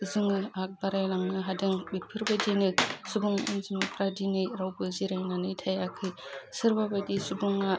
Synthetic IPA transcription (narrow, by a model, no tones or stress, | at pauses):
ɯzɯŋɯak̚baɾajlaŋnɯɦadɯŋbepʰɯɾbadinɯsubuŋɯ̰nzimɯpɾadinɯjɾawbɯziɾajnanɯtʰajakʰɯjsɯɾbabadisubuŋa